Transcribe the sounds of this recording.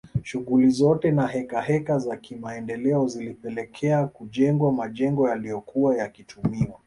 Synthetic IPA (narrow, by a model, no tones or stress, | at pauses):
ʃuɣulizɔtɛnaɦɛkaɦɛkazakimaɛndɛlɛɔzilipɛlɛkʰɛakuʄɛŋɡwamaʄɛŋɡɔjalijɔkuajakitʰumiwa